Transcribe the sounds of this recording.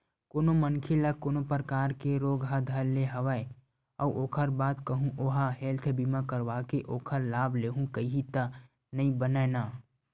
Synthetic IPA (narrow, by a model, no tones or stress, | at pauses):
koːnomənkʰelakoːnopɾəkaːɾkeɾoːɡɦəd̪ʱəɾːeɦəʋəe | ə̰uʔoːkʰəɾbaːt̪kəɦũʔoɦaɦelt̪ʰbimakəɾʋakeʔoːkʰəɾlaːbʱleːɦũkəiɦit̪ə | nəĩbənəna